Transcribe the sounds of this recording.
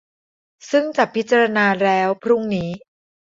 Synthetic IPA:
sɯ˥˩ŋt͡ɕa˨˩pʰːi˦˥t̪̚t͡ɕa˧ɾa˧naː˧ɾɛː˦˥wpʰɾu˥˩ŋniː˦˥

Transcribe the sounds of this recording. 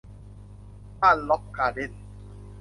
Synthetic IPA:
a˦˨lɔ˦kːa˨de˦n˨

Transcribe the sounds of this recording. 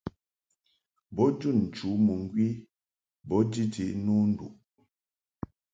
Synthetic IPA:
bɔ˦d͡ʒu˦˨nn̩˨t͡ʃu˨˦mu˨ŋ˦ɡwi˦ | bɔ˨˦di˦d͡ʒi˨˦nu˦n̩˦dṵ˨ʔ

